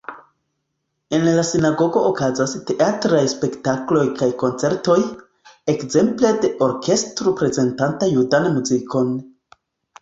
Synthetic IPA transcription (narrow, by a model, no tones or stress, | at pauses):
e̞nlasinaɡo̞ɡo̞ʔokazaste̞ʔatɾajspe̞ktaklo̞jkajko̞nt͡se̞ɾto̞j | e̞kze̞mple̞de̞ʔo̞ɾke̞stɾopɾe̞ze̞ntantajudanmuzikʰo̞n